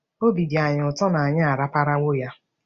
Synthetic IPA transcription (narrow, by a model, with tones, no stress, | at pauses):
o˦bi˨di˨a˨ɲʊ˨tɔ˦na˨a˨ɲa˦a˨ɾa˦pa˦ɾa˦wo˦ja˦